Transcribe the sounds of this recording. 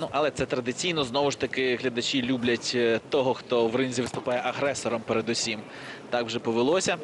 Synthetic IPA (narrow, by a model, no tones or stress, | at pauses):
nuʔɐlˠɛt̪sɛt̪ɾɐd̪ɪt͡sʲijnɔznɔʋʊʃt̪ɐkɪɦlʲɐd̪ɐt͡ʃʲilʲublʲɐtʲt̪ɔɦɔxt̪ɔʋrɪnʲzʲiʋɪst̪ʊpɑjɛʔɐɦɾɛsɔɾɔmpeɾed̪ʊsʲim | t̪ɑkwʒɛpɔʋɪlˠɔsʲɐ